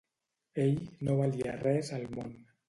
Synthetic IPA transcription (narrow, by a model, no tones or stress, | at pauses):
eʎnoβaliərɛzəlˠmon